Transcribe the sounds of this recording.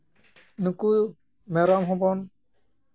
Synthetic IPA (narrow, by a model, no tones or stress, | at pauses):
nukuj | mɛɾamɦɔbɔn